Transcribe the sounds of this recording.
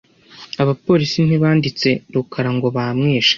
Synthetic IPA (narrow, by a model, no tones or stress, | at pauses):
aβapo̞ːɾisin̥hiβaːndit͡se̞ɾukaɾaŋɡo̞βamŋeːʃḁ